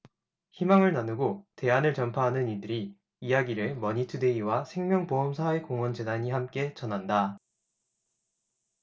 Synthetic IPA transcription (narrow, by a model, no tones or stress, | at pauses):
çimaŋɯɭnanɯɡote̞anɯɭt͡ɕʌmpʰaɦanɯnidɯɾiː | jaɡiɾɯmʌɲitʰɯde̞iwasʰe̞ŋmjʌŋpoɦʌmsʰae̞koŋwʌnd͡ʑe̞daɲihamk͈e̞t͡ɕʌnɦanda